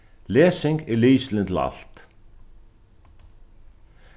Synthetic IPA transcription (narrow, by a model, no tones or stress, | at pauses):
lɛːsɪŋkɛɾliːst̪lɪnt̪ʰɪla̰l̥t̪